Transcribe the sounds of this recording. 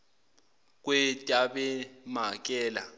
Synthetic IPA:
k̬ʼwɛtʼaɓɛmak̬ʼɛːla̰

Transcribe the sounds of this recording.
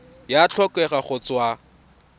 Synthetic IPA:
jat͡ɬʰɔkʼɛχaχʊt͡swa

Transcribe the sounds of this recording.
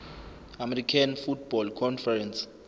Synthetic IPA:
amɛrikʰanfut̚ʰb̥ɔlkʰɔnfɛrɛns

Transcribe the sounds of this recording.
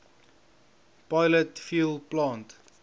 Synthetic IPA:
paɪlətfulplãːnt

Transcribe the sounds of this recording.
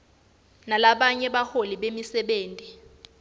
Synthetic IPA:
nalaɓaɲɛɓaholiɓemisɛɓeːntʼi

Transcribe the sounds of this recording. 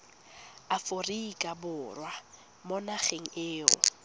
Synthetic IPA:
aforikʼabʊrwa | mɔnaχeŋ̩ɪːʊ̰

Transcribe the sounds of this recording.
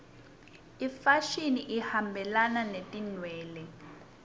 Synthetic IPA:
ifaʃiniʔihambʱɛlananetʼinwɛːlɛ

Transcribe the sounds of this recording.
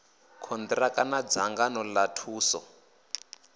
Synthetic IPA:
kʰɔnd̪rakʼanad͡zaŋɡanɔlatʰuːsɔ̰

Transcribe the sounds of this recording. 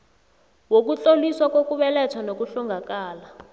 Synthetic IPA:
wok̬ut͡ɬoliswakwokuɓɛlɛt͡sʰanok̬uɬɔŋɡʱakaːla

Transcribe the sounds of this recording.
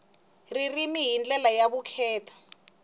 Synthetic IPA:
ririmijind͡ɮɛlajakukʰɛːtʰḁ

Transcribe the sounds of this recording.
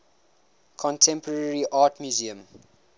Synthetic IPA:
kʰɔ̃ntʰɛ̃mpɔɹɛɹiʔaːtmjuziə̃m

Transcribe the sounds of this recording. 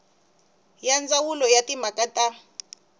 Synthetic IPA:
jand͡zawulɔjatimakʼatʼa

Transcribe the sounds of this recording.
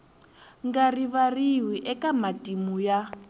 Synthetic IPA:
ŋɡariβariwiʔɛkamatʼimuja

